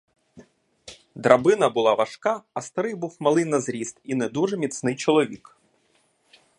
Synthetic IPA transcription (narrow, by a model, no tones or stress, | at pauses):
d̪ɾɐbɪnɐbʊlˠɑʋɐʃkɑɐst̪ɐɾɪjbuwmɐlˠɪjnɐzɾʲist̪inɛd̪uʒɛmʲit̪snɪjt͡ʃɔlˠɔʋʲik